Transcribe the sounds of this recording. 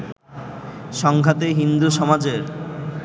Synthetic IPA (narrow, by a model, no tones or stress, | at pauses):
ʃɔŋkat̪eɦind̪uʃɔmad͡ʑeɾ